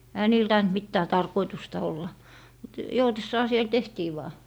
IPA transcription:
ehæ niːl tɑint mitːæː tɑrkoitustɑ olːɑ mut joutesːɑː siel tehtiː ʋɑː

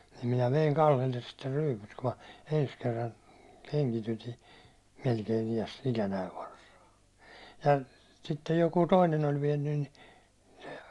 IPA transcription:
nim minæ ʋeiŋ kɑlːelːes sitːe ryːpyt ku mɑ ens kerːɑn keŋkityti melkein iæs ikænæiʋ ʋɑrsɑː jɑ sitːej jokuː toinen olʲ ʋiɛnːyn ni̥ se̥

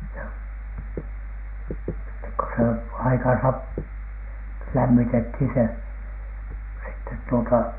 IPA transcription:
jɑ sitːek ko se ɑikɑnsɑ p læmːitethin se sitːet tuotɑ

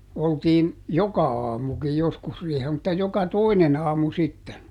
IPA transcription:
oltiːn jokɑ ɑːmukij joskus riːhel mutːɑ jokɑ toinen ɑːmu sitːen

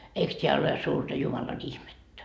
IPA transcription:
eiks tʲeæ ole suːrtɑ jumɑlɑn ihmetːæ

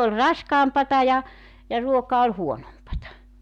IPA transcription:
ol rɑskɑːmpɑtɑ jɑ jɑ ruokɑ ol huonompɑtɑ

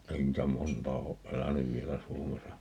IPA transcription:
ei niːtæ montɑː oʔ ʔelænyʋ ʋielæ suomesɑ

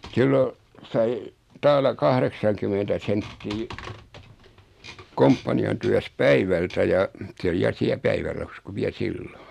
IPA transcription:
silːo sɑi tɑːlɑ kɑhreksɑŋkymentæ sentːiː kompːɑniɑn tyæs pæiʋæltæ jɑ se oli jɑ siæ pæiʋærɑhɑs ku ʋiæ silːon̥

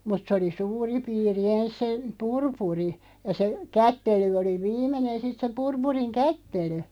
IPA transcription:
mut sĕ oli suːri piːri ens se purpuri jɑ se kætːely oli ʋiːmenen sit se purpuriŋ kætːely

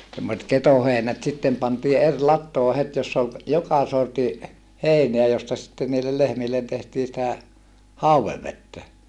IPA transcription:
semːoset ketoheinæt sitːem pɑntiː er lɑtːoː het josː ol jokɑ sorti heˑineæ jostɑ sĭtːen niːlːe lehmilːen tehtiː sĭtæ hɑuweʋːetːæ

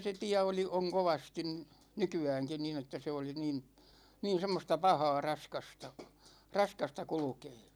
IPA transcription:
se tiæ oli oŋ koʋɑstin nykyæːŋkin niːn etːæ se oli niːn niːn̞ semːostɑ pɑhɑː rɑskɑstɑ rɑskɑstɑ kulŭkeː

